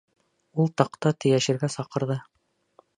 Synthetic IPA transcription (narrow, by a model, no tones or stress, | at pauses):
ulˠt̪ɑqt̪ɑt̪ɘ̆jæʃɘ̆ɾɡæsɑqɤ̆ɾðɤ